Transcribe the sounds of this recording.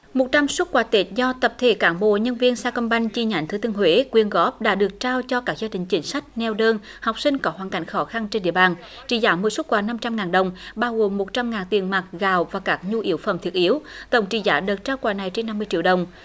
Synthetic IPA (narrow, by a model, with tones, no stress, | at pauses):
mo˨˩t̚t͡ɕa˧mswə˦˥t̚kwaː˧˦t̪e˨˦˥t̚zɔ˧t̪ə˨˩p̚t̪ʰe˧˩kaː˨˦nɓo̰˧˨ɲə˧nvi˧ənsaː˧kə˧nɓa˧jŋ̟t͡ɕi˧ɲa̰˧˩jŋ̟t̪ʰɨ˧˦t̪ɨ˧əŋɦwe˨˦kwi˧ənɣɔ˦˥p̚ɗa̰ː˧˦˥ɗɨ˨˩ək̚t͡ɕaː˧wt͡ɕɔ˧kaː˦˥k̚zaː˧ɗï˨˩ŋ̟t͡ɕï˨˦ŋ̟sa˦˥jk̟̚nɛ˧wɗəː˧n | ha˨˩wk͡p̚sï˧ŋ̟kɔ˨˦ɦwaː˨˩nka̰˧˦jŋ̟xɔ˨˦xa˧nt͡ɕe˧nɗḭ˧˨əɓaː˨˩n | t͡ɕḭ˧˩zaː˧˦mɨ˧˨əsu˦˥t̚kwaː˧˩na˧mt͡ɕa˧mŋaː˨˩nɗə˨˩wŋ͡mɓaː˧wɣo˨˩mːo˨˩t̚t͡ɕa˧mŋaː˨˩nt̪i˨˩ənmaː˨˩t̚ɣaː˨˩wvaː˨˩kaː˦˥k̚ɲu˧ʔi˨˦əwfə̰˧˩mt̪ʰi˦˥ət̚ʔi˨˦əwt̪ə˧˩wŋ͡mt͡ɕḭ˧˩zaː˧˦ɗə˨˩t̚t͡ɕaː˧wkwaː˧˩na˨˩jt͡ɕe˧nːa˧mːɨ˧əjt͡ɕḭ˧˨əwɗə˨˩wŋ͡m